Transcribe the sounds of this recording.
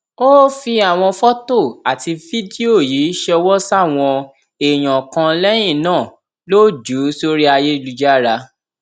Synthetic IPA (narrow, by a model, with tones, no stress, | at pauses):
o˦fi˧a˨w̃ɔ̃˧fɔ˦to˦˨a˨ti˧fi˦di˦o˦˨ji˨˦ʃɛ˧wɔ˦sa˦˨w̃ɔ̃˧ | e˨j̃ã˨kã˧lɛ˦j̃ĩ˦˨nãː˦˨ | lo˦d͡ʒu˨˦so˦ɾi˦a˧je˦˧lu˧d͡ʒa˦ɾa˧